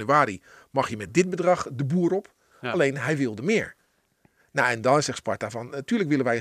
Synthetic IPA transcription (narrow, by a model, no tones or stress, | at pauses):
nyaːɾi | mɑxjəmɛt̚dɪt̚bədrɑxdəbuəɾɔp | aleːnɦɛjʋɪlˠdəmɪːəɹ | naɛndɔnsɛxspɔɹtavɔntyːləkʋɪlənʋɛj